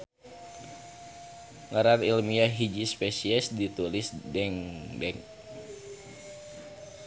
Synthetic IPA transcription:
ŋaɾanilmiaɦid͡ʒispɛsiɛsdit̪ulisdɛŋdɛŋ

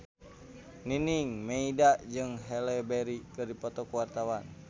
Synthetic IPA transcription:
niniŋmeidaʔd͡ʒɨŋɦɛlɛbɛɾikɨrdipɔt̪ɔkuwart̪awan

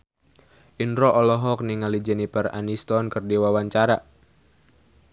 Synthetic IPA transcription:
ʔinɾɔʔɔlɔɦɔk̚niŋalid͡ʒɛnipɛra̰nist̪ɔnkɨrdiwawaɲt͡ʃaɾa

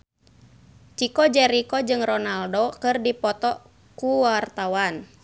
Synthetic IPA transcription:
t͡ʃikɔd͡ʒɛɾikɔd͡ʒɨŋrɔnaldokɨrdipɔt̪ɔ | kuwart̪awan

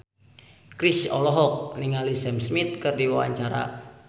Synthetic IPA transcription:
kɾisɔlɔɦɔk̚niŋalisɛmsmit̪̚kɨrdiwawa̰ɲt͡ʃaɾa̰

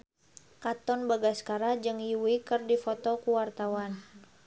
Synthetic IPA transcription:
kat̪ɔnbaɡaskaɾad͡ʒɨŋjuwikɨrdifɔt̪ɔkuwart̪awan

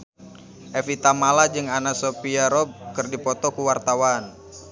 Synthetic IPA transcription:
ʔɛfit̪amalad͡ʒɨŋanasopiaɾɔb̚kərdipɔt̪ɔkuwart̪awan

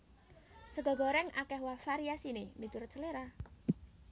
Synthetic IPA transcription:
səɡɔ̤ɡɔɾɛŋʔakɛɦwafaɾiasinemit̪ʊrt͡ʃəleɾa

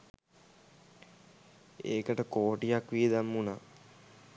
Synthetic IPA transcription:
ḛːkəʈəkoːʈijakʋied̪amːuna

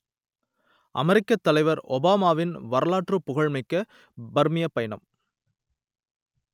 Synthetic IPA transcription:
ʔɐ̰mɛɾɪkːɐt̪ːɐlɐɪʋɐɾɔbaːmaːʋɪnʋɐɾɐlaːʈrɯpːʊɣɐɻmɪkːɐ | bɐɾmɪjɐpːɐjɐɳɐ̰m

